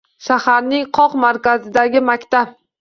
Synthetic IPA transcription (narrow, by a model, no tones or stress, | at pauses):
ʃahaɾnɪŋqʰɒqmaɾkʲazɪd̪aɡʲɪmakʲt̪ap̚